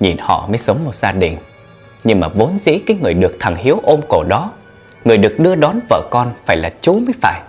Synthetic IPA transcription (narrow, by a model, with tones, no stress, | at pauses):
ɲi˨˩nhɔ̰˧˨məː˨˦jsə˨˦wŋ͡mmo˨˩t̚zaː˧ɗï˧˩ŋ̟ | ɲɨ˧ŋmaː˨˩vo˨˦nzḭ˧˥kaː˨˦jŋɨ˨˩əjɗɨ˨˩ək̚t̪ʰa˨˩ŋhi˨˦əwʔo˧mko˧˩ɗɔ˨˦ | ŋɨ˨˩əjɗɨ˨˩ək̚ɗɨ˧əɗɔ˨˦nvə̰ː˧˨kɔ˧nfaː˧˩jlaː˨˩t͡ɕu˨˦məː˨˦jfaː˧˩j